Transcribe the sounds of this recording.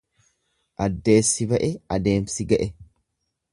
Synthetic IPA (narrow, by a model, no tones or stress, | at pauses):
ʔɐd̪ːe̞ːsːɪbɐʔɛɐd̪e̞ːmsɪɡɐʔɛ